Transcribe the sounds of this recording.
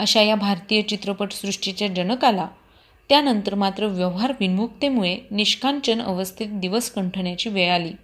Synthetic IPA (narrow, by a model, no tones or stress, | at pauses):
əɕajabʱaɾt̪ijət͡ɕit̪ɾəpəʈsɾuʂʈit͡ɕjad͡ʑənəkala | t̪janənt̪əɾmat̪ɾəʋjəʋɦaɾʋinmuk̚t̪emuɭeniɕkʰant͡ɕənə̰ʋəst̪ʰit̪̚d̪iʋəskəɳʈʰəɳjat͡ɕiːʋeɭaliː